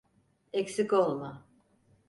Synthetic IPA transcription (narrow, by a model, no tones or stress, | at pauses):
ɛksikolˠma